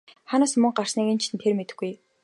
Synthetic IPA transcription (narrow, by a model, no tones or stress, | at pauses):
χanaːsmɵŋɢar̥sniːkĕnt͡ɕʰint̪ʰermet̪ɘ̆xɡuj